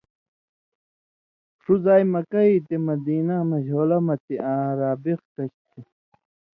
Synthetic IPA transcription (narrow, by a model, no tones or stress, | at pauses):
ʂuzaːjmɐkɐit̪emɐd̪iːnɐmɐʑoːlɐmɐt̪iʔãːɾaːbixkɐɕt̪i